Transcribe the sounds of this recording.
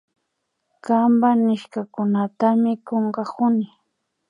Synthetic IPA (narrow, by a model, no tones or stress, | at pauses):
kambanɪʃkakʊnat̪amɪkoɴɢɑkʊnɪ